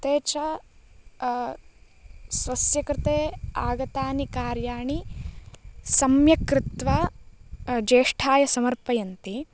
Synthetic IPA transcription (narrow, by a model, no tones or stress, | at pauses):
t̪eːt͡ʃɐ | sʋɐsjɐkɾɪt̪eːaːɡɐt̪aːnikaːɾjaːɳi | sɐmjɐkɾɪt̪ʋa | d͡ʒeːʂʈʰaːjɐsɐmɐɾpɐjɐnt̪i